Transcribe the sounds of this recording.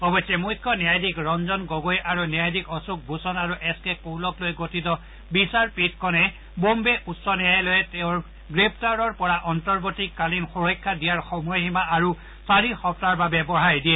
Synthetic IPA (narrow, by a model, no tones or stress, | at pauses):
ɔbɔsjɛmujtʰːɔnijajdikɹɔnzɔnɡoɡojʔaɹunjajdikɔsuk̚bʱusɔnaɹuʔɛskɛkowlɔklojɡotitɔ | bisaɹpit̚kɔnɛ | bombɛutsɔnɛjajlojɛtɛʊ̃ɹ | ɡɹep̚taɹɔɹpɔɹaʔɔntɔɹbotikːalinxuɹɔjkʰːadijaɹxɔmɔjɦimaʔaɹu | saɹixɔp̚taɹbabɛbɔɹ̤ajdijɛ